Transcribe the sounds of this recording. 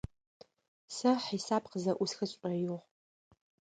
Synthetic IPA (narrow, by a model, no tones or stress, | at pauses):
sɐħiːsaːpqəzɐʔʷʊsxɨɕʷʼɐjʊʁ